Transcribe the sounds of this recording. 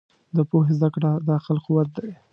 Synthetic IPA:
d̪əpoɦezd̪akɽad̪ɑxɪlquwat̪̚d̪aj

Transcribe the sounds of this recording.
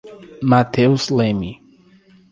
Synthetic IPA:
mat̪ʰewslẽmi

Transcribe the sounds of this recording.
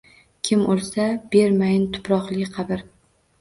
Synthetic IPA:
kʲʰɪmolsab̥e̞ɾmajɪnt̪ʰʊ̥pɾɒqlˠɪqʰɑbɪɾ

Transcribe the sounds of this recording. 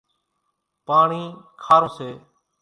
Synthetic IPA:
paːɳiːkʰaːɾoːseː

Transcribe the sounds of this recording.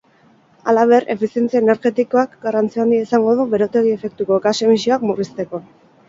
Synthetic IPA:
alaβ̞e̞re̞̰fisie̞nt͡siaene̞ɾɣe̞t̪iko̞akɡarant͡siand̪iaisaŋɡo̞ð̞uβe̞ɾo̞t̪e̞ɣ̞ie̞fe̞k̚t̪uko̞ekase̞misioakmurist̪e̞ko̞

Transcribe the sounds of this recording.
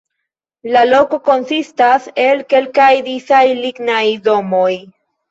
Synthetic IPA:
lalo̞ko̞ko̞nsistase̞lke̞lkajdisajliɡnajdo̞mo̞j

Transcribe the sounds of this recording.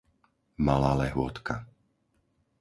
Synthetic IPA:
malaːlɛɦʊɔt̪ka

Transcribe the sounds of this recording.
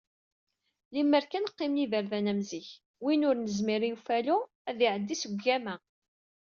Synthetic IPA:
limːəɾkænqːɪmniðəɾðænæmziç | winʊɾnəzmiɾijufælu | æðiʕəd̪ːisəɡːæmæ

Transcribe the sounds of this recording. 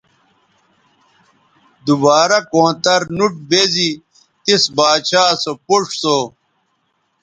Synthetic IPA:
d̪ubaːɾɐkõːt̪ɐɾnuʈ̚bezi | t̪isbaːɕaːsopuʂso

